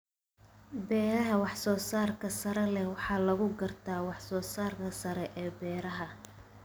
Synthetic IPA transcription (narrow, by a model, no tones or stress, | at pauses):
bɛːɾɐɦɐwɑħsɔːsaːrkʰɐsɐɾɛlɛwɑħɑːlɐɣʊɡɐrt̪ʰaːwɑħsɔːsaːrkʰɐsɐɾɛʔɛːbɛːɾɐɦɐ